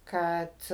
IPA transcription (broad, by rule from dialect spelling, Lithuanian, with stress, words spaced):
ˈkɐt